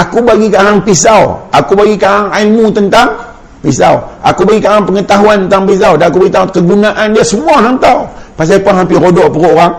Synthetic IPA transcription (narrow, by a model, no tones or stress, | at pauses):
ʔakubaɡikaɦaŋpisawa̰kubaɡikaɦaŋailmut̪ənt̪aŋ | pisawʔa̰kubaɡikaŋaŋpəŋət̪aɦuanənt̪aŋpis̬awdanakubaɡit̪akəɡunaʔandiasəmuaɦant̪awpas̬apanɦampɪɾodɔʔpəɾoʔoɾaŋ